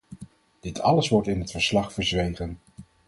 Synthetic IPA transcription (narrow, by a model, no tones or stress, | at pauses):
d̥ɪtʰɑləsʋɔɹtɪnɦətfəɹslɑχfəɹzʋejχən